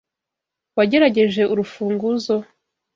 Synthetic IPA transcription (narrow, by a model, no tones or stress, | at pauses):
waɟe̞ɾaɟe̞ʒe̞ʔuɾufuːŋɡuzo̞